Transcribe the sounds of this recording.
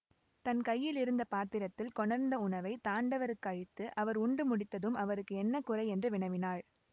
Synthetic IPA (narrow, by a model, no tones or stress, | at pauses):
t̪ɐnkɐjːɪlɪɾɯnd̪ɐpaːt̪ːɪɾɐt̪ːɪlkɔɳɐɾnd̪ɐʊɳɐʋɐɪt̪aːɳɖɐʋɐɾɯkːɯɐɻɪt̪ːɯʔɐʋɐɾʊɳɖɯmʊɽɪt̪ːɐðɯmɐʋɐɾɯkːɯɛnːɐkʊrɐɪɛndrɯʋɪɳɐʋɪnaːɻ